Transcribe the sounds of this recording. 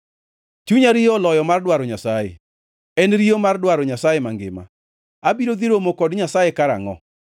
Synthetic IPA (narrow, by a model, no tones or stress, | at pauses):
t͡ʃuɲaɾiɔlɔjɔmardwaɾoɲasajḛ | ɛnɾiomardwaɾɔɲasajemaŋɡɪ̰ma̰ | abiɾod̪iɾomokɔdɲasajekaɾa̰ŋɔ̰